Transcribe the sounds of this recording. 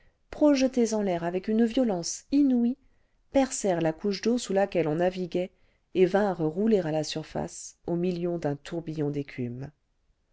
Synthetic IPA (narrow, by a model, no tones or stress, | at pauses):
pχɔʒət̪ezɑ̃lɛʁavɛkynvjɔlɑ̃sinui | pɛʁsɛʁlakuʃd̪osulakʲɛlɔ̃naviɡʲɛ | evɛ̃ʁʁuleʁalasyʁfa̰somiljɔ̃d̪ɛ̃t̪ʰuʁbijɔ̃d̪ekʲʰym